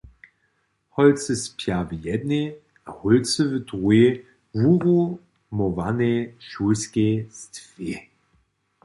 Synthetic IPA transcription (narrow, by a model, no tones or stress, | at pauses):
hɔlt͡səspʰjavəjɛdne | ahʊlt͡səvədʁue | vuʁu | mɔvaneʃuskestv̥e